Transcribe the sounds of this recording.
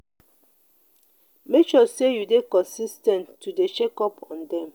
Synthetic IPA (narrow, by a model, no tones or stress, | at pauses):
mekt͡ʃɔsejudekɔ̃nsistɛ̃nːudet͡ʃekɔpʰɔ̃ndɛ̃m